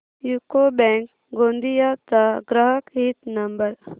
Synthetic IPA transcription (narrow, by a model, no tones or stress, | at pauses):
jukobɛ̃ːŋk | ɡõːnd̪ijat̪aɡɾəɦəkɦit̪nɐmbəɾ